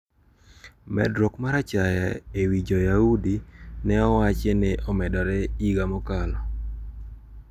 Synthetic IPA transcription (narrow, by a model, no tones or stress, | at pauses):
mɛ̰dɾokmaɾat͡ʃajaewid͡ʒɔjaudinɛɔwat͡ʃeneʔɔmɛdɔɾɛiɡamɔkalɔ